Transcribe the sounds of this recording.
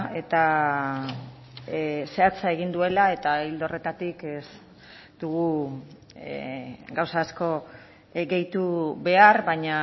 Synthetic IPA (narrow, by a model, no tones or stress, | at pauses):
e̞t̪a | se̞at͡sae̞ɣ̞ind̪ue̞lae̞t̪aild̪o̞re̞t̪at̪ikes | d̪̥uɣu | ɡawsaːsko̞ | ɡe̞jt̪uβe̞aɾβaɲa